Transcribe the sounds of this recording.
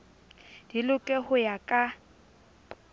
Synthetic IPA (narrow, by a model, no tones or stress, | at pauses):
d̥ilʊkʼɛhʊjakʼa